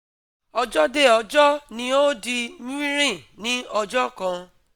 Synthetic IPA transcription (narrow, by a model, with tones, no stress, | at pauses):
ɔ˧d͡ʒɔ˦de˦˨ɔ˧d͡ʒɔ˦nĩ˧˦o˦di˧mũ˦ĩ˦ɾĩ˦˨nĩ˦ɔ˧d͡ʒɔ˦kã˧